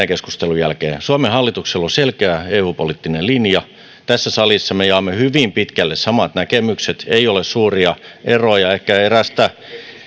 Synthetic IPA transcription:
ekesku̥st̪elujælkḛːsuɑmehɑlːit̪ukseloselkeæeuːpolit̪ːinelinjɑ | t̪æsːæsɑlisːɑmejɑːmːehyʋimpit̪kælːessɑmɑt̪nækemykset̪eiolessuːriɑʔerojɑekːæeræst̪æ

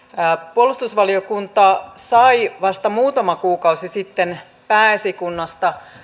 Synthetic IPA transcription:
puolːˑust̪usʋɑliokunt̪ɑsɑiʋɑst̪ɑmuːt̪ɑmɑkuːkɑusisit̪ːen | pæːesikunːɑst̪ɑ

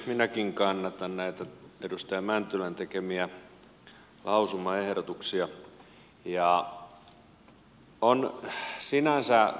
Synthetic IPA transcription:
minækiŋkɑnːɑt̪ɑnnæit̪æedust̪ɑjɑmænt̪ylænt̪ekemiæ | lʔɑusumɑehɾot̪uksiɑ | jɑ | onsinænsæ

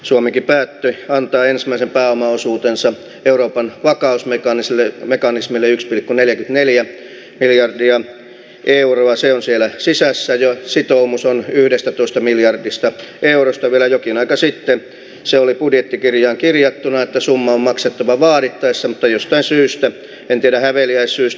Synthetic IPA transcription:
suomikipæːt̪ːøɑnt̪ɑːensmæˑisempæːomɑosuːt̪ensɑ | euroːpɑnʋɑkɑusmekɑnislemekɑnismilːeykspilkːuneljækynt̪neljæ | miljɑrdiɑ | ʔeuroɑseonsielæsisæsːæjɑsit̪oumusonyhdest̪æt̪oist̪ɑmiljɑrdist̪ɑʔeurost̪ɑʋielæjokinɑikɑsit̪ːe | seolipudjet̪ːikirjɑːŋkirjɑt̪ːunɑet̪ːæsumːɑommɑkset̪ːɑʋɑʋɑːɾit̪ːɑisːɑmut̪ːɑjost̪ɑinsyːst̪æ | ent̪ieɾæhæʋeliæissyːs

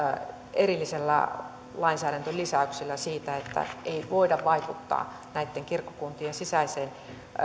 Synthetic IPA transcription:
erilːiselːæ̰ | lɑinsæːɾænt̪ølisæyksilːæsiːt̪æet̪ːæ̰eiʋoidɑʋʋɑikut̪ːɑ̰ː | næit̪ːeŋkirkːo̥kunt̪iensisæiseːn

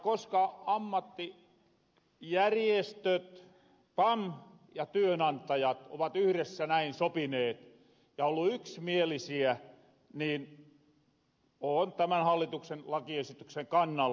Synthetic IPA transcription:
koskɑɑmːɑt̪ːi | jærjest̪øt̪ | pɑm | jɑt̪yønɑnt̪ˑɑjɑt̪o̰ʋɑt̪yhɾesːænæinsopineːt̪ | jɑolːuyksmielisiæ | niːn | oːnt̪æmænhɑlːit̪uksenlɑkiesit̪ykseŋkɑnːɑl

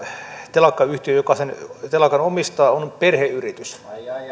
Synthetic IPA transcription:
t̪elɑkːɑyht̪iøjokɑsent̪elɑkɑnomist̪ɑːonperheyrit̪ys

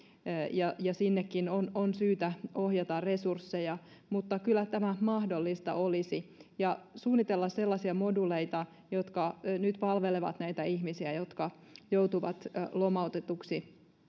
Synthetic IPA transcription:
jɑjɑsinːekːinononsyːt̪æohjɑt̪ɑrre̞sursːejɑ | mut̪ːɑkylːˑæt̪æmæmɑhdolːist̪ɑ̰olisijɑsuːnːit̪elːɑsselːɑsiɑmoduleit̪ɑ | jot̪kɑnyt̪pɑlʋeleʋɑ̰t̪næijt̪æihmisiæjot̪kɑ | jowt̪uʋɑt̪lomɑot̪et̪uksi

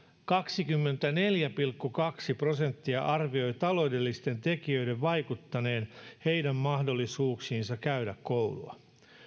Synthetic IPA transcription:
kɑksikymːe̞nt̪æne̞ljæpilkːukɑksipro̞se̞nt̪ːiɑʔɑrʋio̞jt̪ɑlo̞wde̞lːist̪e̞nt̪e̞kiø̞jde̞ʋʋɑjkut̪ːɑne̞ːnhe̞jdæmmɑhdo̞lːisuːksiːnsɑkæydækko̞wlṵɑ̰

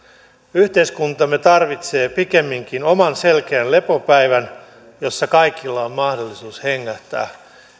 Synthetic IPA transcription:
yht̪eiskunt̪ɑmːe̞t̪ɑrʋit̪se̞ːpike̞mːiŋkino̞mɑnse̞lkeːnle̞po̞pæjʋæn | jo̞sːɑkɑjkilːɑommɑhdo̞lːisuːsheŋːæht̪ːˑæ̰ː

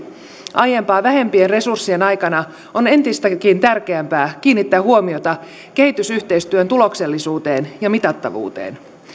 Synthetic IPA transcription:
ʔɑje̞mpɑːʋæɦe̞mpienre̞sursːie̞nɑjkɑnɑ | one̞nt̪ist̪ækint̪ærkeæmpæːk̟iːnːit̪ːæːɦuomio̞t̪ɑ | ke̞ɦit̪ysyht̪e̞ist̪yønt̪ulo̞kse̞lːisuːt̪e̞ːnjɑmit̪ɑt̪ːɑ̰ʋṵːt̪ḛːn

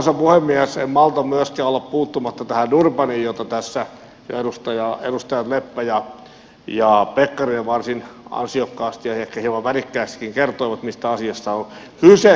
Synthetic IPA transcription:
nsɑpuhemːiæsemmɑlt̪ɑmyæskæːolːeppuːt̪ːumɑt̪ːɑt̪æhænurpɑniːjjot̪ːɑt̪æsːæ | jo̰edust̪ɑjɑḛdust̪ɑjɑt̪lepːæjɑ | jɑpekːɑrineʋʋɑrsinɑ̰nsiokːɑːst̪jɑhekːæhioʋɑʋærikːæːst̪kiŋkert̪oiʋɑt̪mist̪æɑsiɑst̪ɑon | hyse

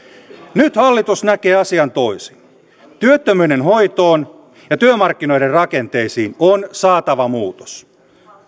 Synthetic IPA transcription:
nyt̪hɑlːit̪usnæke̞ːɑsiɑnt̪o̞isin | t̪yøt̪ːømyːde̞nɦo̞jt̪o̞ːn | jɑt̪yømɑrk̟ːino̞jderrɑke̞nt̪e̞jsiːnonsɑːt̪ɑʋɑmuːt̪o̥s

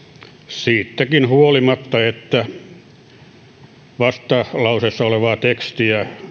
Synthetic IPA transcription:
siːt̪ːækinhuolimɑt̪ːɑet̪ːæ | ʋɑst̪ɑlɑusesːɑoleʋɑːt̪ekst̪iæ

